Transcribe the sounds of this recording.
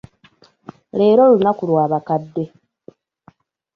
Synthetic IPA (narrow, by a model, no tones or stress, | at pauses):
le̞ːɾo̞lunakulwaːβakadːe̞